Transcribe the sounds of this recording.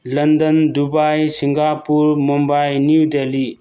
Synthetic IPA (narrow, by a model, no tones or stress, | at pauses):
lɐnd̪ənd̪ubaːjsiŋɡaːpuɾmumbaːjnudeːli